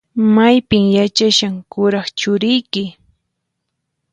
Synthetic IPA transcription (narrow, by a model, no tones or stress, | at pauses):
majpɪŋjat͡ʃaʃaŋkʊɾɑχt͡ʃʊɾɪjkɪ